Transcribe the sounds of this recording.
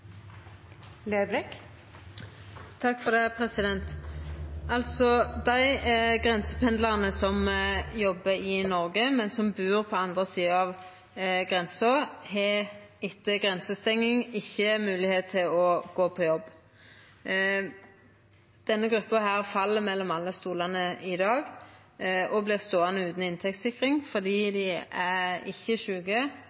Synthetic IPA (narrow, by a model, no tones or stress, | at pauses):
leːblɛk | t̪ʰɑkːfɔʁd̪eːpʰʁɛsɪd̪ɛnt̪ | ɑlt̪sɔd̪æɪɡʁɛnsə̥pʰɛnd̪lɑʁənəsɔmjɔbːəɪnɔʁɡəmɛnsɔmbʉːʁpʰɔɑnd̪ʁəsiːəɑʋ | ɡʁɛnsɔhɛɪt̪ːəɡʁɛnsəst̪ɛŋːɪŋɪçːəmʉːlɪheːt̪t̪ʰːɪlɔɡ̥oːpʰɔjɔbː | d̪̥ɛnːəɡɾʁʉpːəhæːʁfɑlːəmɛlːɔmɑlːəst̪uːlɑnəɪd̪ɑːɡ | ɔblɪːʁst̪oːɑnəʉːt̪n̩ɪnt̪ʰɛk̚t̪sɪkʁɪŋfɔd̪iːd̪ɪæʁɪ̰çːəʃʉːɡə